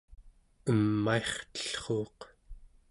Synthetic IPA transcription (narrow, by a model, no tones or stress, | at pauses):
əmːaeχt̪ə̥ɬχoːq